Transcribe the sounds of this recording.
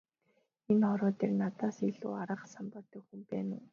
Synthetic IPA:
enχɔɾɔːt̪ʰernat̪aːsiɮṵːaɾə̆χsampɔːt̪œxumpæːnʊː

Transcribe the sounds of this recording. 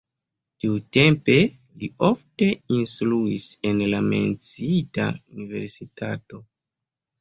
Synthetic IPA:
tiute̞mpe̞ | liofte̞instluise̞nlame̞̰nt͡siita̰unive̞̰ɾsitato̞

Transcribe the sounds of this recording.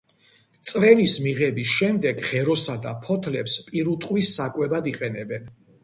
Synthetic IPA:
t̪sʼɾɛlismiʁɛbisʃɛmd̪ɛɡʁɛɾɔsad̪a̰pʰɔt̪ʰlɛpspʼiɾut̪ʼqʼwisːakʼwɛbad̪iqʼɛnɛbɛn

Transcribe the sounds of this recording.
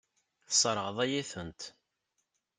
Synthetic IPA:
θsˤɾˤəʁðˤæjiθənt̪

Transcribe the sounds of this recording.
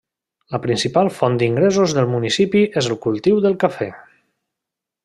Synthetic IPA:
ləpɾinsipalˠfɔnd̪iŋɡɾezuzðəlˠmunisipiʔezəlˠkulˠt̪iwðəlˠkafɛ

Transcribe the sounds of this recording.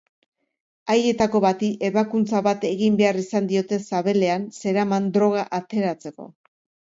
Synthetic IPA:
aje̞t̪ako̞βat̪iʔe̞βakunt͡saβat̪e̞ɣimbe̞arisand̪io̞t̪e̞saβe̞le̞anse̞ɾamand̪ɾo̞ɣ̞aʔat̪e̞ɾat͡se̞ko̞̰

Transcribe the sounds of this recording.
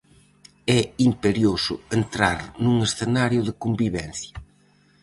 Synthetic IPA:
ɛimpeɾjosʊ̰ent̪ɾaɾnuŋesθenaɾjʊðɪkombiβɛnθjɐ

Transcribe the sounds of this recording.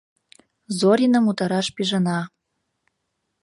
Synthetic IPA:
zoɾʲinəmut̪ɑɾɑʃpiʒɤnɑ

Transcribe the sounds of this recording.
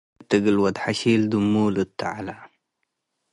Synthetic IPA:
t̪ːiɡilwad̪ħaʃiːld̪umːuːlut̪ːa̰ʕala

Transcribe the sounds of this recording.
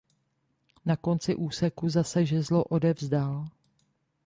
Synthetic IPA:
nako̞nt͡sɪʔuːsɛkuzasɛʒɛzlo̞ʔo̞dɛvzdal

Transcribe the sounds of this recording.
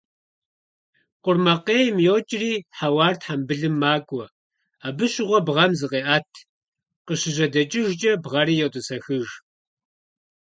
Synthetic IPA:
qʷʊrmɐqeːjmjoːt͡ʃʼɪriːħawɑːrtħambɨɮɨmːaːkʷʼɔ | aːbɨɕɪʁʷɔbʁɐmzɨqʼeːʔaːtʰ | qəɕɪʑɐdɐt͡ʃʼɪʒt͡ʃʼɐbʁɐɾiːjɛwtʼɨsɐxɨʒ

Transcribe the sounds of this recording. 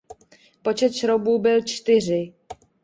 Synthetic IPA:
po̞t͡ʃɛt̪ʃɾobuːbɪlt͡ʃt̪ɪr̝ɪ

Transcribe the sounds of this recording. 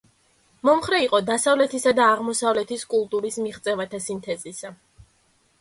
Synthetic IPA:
mɔmχɾɛiqʼɔd̪asavlɛt̪ʰisad̪aːʁmɔsavlɛt̪ʰiskʼulˠt̪ʼuɾismiʁt̪sʼɛvat̪ʰasint̪ʰɛzisa

